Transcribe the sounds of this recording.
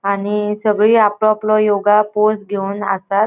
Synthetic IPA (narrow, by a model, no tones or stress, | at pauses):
aɽ̃isəɡɭiːaplɔplɔjoɡaposɡʱeuːnəsat̪